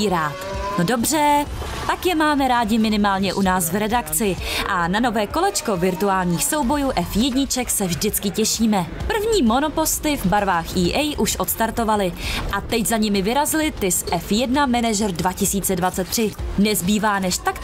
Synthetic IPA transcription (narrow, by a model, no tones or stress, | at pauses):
ɾaːt̪nodo̞br̝ɛ | t̪akjɛmaːmɛɾaːɟɪmɪnɪmaːlɲɛʔunaːsvɾɛdakt͡sɪʔanano̞vɛːko̞lɛt͡ʃko̞vɪɾt̪uaːlɲiːxso̞wbo̞juːʔɛfjɛdɲɪt͡ʃɛksɛvʒdɪt͡skɪcɛʃiːmɛpr̩vɲiːmo̞no̞po̞st̪ɪvbaɾvaːxiːʔɛjʔuʃʔo̞t̪st̪aɾt̪o̞valɪʔat̪ɛczaɲɪmɪvɪɾazɪlɪt̪ɪsʔɛfjɛdnamɛnaʒɛɾdvacɪsiːt͡sɛdvatt͡sɛt̪ːr̥ɪnɛzbiːvaːnɛʃt̪ak